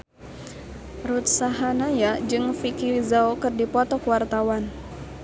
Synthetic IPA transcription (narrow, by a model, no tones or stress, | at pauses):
rut̪̚saɦanajad͡ʒɨŋfikizaokɨrdipɔt̪ɔkwart̪awan